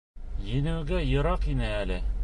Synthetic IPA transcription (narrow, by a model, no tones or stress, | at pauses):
jɘ̆nɘ̆wɡæjɤ̆ɾɑqinɘælɘ